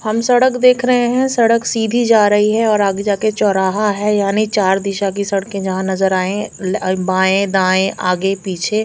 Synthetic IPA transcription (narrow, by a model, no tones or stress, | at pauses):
hɐmsɐɽəkd̪eːkʰɾɐɦeɦɛ̃sɐɽəksiːd̪ʱid͡ʒaːɾɐɦiɦɛɔːɾaːɡed͡ʒaket͡ʃɔːɾaːɦaɦɛːjaːnit͡ʃaːɾd̪ɪʃak̬isɐɽkẽd͡ʒɐɦãnɐzəɾaːẽbaːẽd̪ãːẽʔaːɡepiːt͡ʃʰe